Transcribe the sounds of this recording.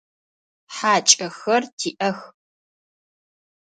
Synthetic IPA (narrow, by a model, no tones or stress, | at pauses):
ħaːt͡ʃʼɐxɐrtʰiːʔɐx